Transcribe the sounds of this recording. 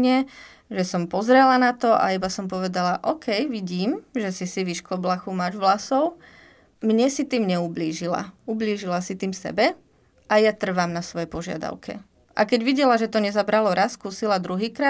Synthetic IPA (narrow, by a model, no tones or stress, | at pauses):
ɲɛ | ʒɛsɔmpɔzɾɛlanat̪ɔʔa̰ibasɔmpɔʋɛd̪alaʔɔkʰɛjʋiɟiːmʒɛsisiʋiʃklɔblaxumaʒʋlasɔʊ | mɲɛsit̪iːmɲɛubliːʒila̰ubliːʒilasit̪iːmsɛ̰bɛ | ʔajat̪r̩ʋaːmnasʋɔjɛpɔʒɪa̰d̪a̰ʊkʰɛ̰ | ʔa̰kɛɟʋiɟɛlaʒɛt̪ɔɲɛzabɾalɔɾaskuːsilad̪ɾuɦiːkɾa